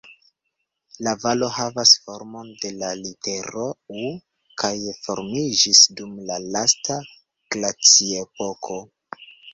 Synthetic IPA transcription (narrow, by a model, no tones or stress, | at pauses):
lavalo̞havasfo̞ɾmo̞nde̞lalite̞ɾou | kʰajfo̞ɾmid͡ʒisdumlalasta | ɡ̥lat͡siepo̞kʰo̞